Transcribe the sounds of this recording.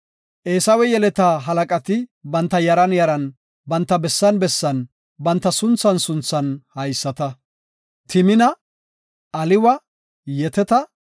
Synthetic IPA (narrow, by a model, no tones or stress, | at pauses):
ʔe̞ːsɐwɛjɛlɛt̪aːɦɐlɐkʼɐt̪ɪbɐnt̪ːɐjɐɾɐnjɐɾɐn | bɐnt̪ːɐbɛsːɐnbɛsːɐn | bɐnt̪ːɐsʊnt͡sːɐnsʊnt͡sːɐnhɐjsːɐt̪ɐ | t̪ɪmɪnɐ | ʔɐlɪwɐ | jɛt̪ɛt̪ɐ